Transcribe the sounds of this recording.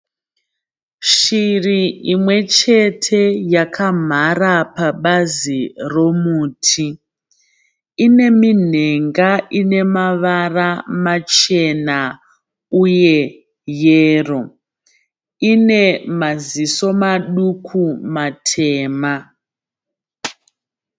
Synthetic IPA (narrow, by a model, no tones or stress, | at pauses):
ʃiriimwe̞t͡ʃe̞tʰe̞jakʰam̤arapaɓaziro̞muːtʰi | ine̞min̤e̞ŋɡaʔine̞maʋaramat͡ʃe̞na | uje̞ | jeːro̞ | ine̞maziso̞maɗukʰumatʰeːma